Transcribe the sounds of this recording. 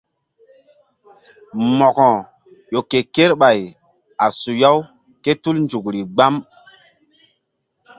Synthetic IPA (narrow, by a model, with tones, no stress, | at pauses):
mɔ˨kɔ˨ | jo˨ke˨ke˦ɾɓa˨j | a˨su˨ja˦w | ke˦tu˦lnd͡ʒu˨kɾi˨ɡ͡ba˦m